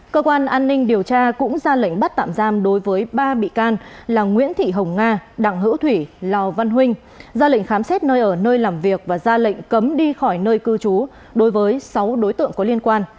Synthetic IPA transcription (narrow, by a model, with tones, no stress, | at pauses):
kəː˧kwaː˧nʔaː˧nːï˧ŋ̟ɗi˨˩əwt͡ɕaː˧kʊ̰˧˥ŋ͡mzaː˧lə̰˧˨ŋɓə˦˥t̚t̪a̰ː˧˨mzaː˧mɗo˨˦jvəː˨˦jɓaː˧ɓḭ˧˨kaː˧nlaː˨˩ŋwḭ˧˥ənt̪ʰḭ˧˨ɦə˨˩wŋ͡mŋaː˧ɗa̰ː˧˩ŋɦɨ̰˧˥wt̪ʰwi˧˩laː˨˩wva˧nɦwï˧ŋ̟ | zaː˧lḭ˧˨ŋ̟xaː˨˦msɛ˦˥t̚nəː˧jʔəː˧˩nəː˧jlaː˨˩mvi˨˩ək̚vaː˨˩zaː˧lḭ˧˨ŋ̟kə˨˦mɗi˧xɔ˧˩jnəː˧jkɨ˧t͡ɕu˨˦ | ɗo˨˦jvəː˨˦jsa˨˦wɗo˨˦jt̪ɨ̰˧˨əŋkɔ˨˦li˧ənkwaː˧n